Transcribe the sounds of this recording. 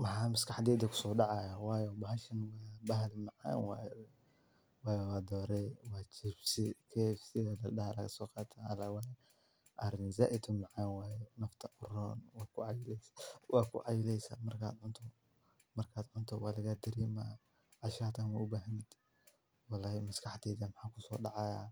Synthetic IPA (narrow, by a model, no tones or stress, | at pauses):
wɑħaːmɪskɑħd̪ɛːd̪ɐkʰʊ̥sɔːɖɑʕɑjawɑːjɔbɐɦɐʃɐnwɑːbɐɦɐlmɑʕɑ̰ːnwaj | waːjɔwɑːd̪ɔːɾɛwaːt͡ʃɪbsɪkʰɛfsɪɐd̪ɐɗɐhalɐ̰kɐsɔːqɑːt̪ʰaɐlawajɛ | ʔɐɾɪnza̰ːʔɪt̪ʰʊmɑʕanwaːjɛnɐft̪ʰɐʔʊɾɔ̰ːnwaːkʰʊʕɑjɪlɛswɑːkʰʊ̰ʕɑjɪlɛjsɐ̰mɐrkʰa̰ːd̪ʕʊnt̪ʰɔ | mɐrkʰaːd̪ʕʊnt̪ʰɔwaːlɐɣad̪ɐɾiːma | ʕɑʃaːt̪ʰanwaʊbaːɦɐnd̪̥ | walaːhmɐskʰɑħt̪ɛːðɐmħaːkʰʊsɔ̰ːɖɑʕɑjaː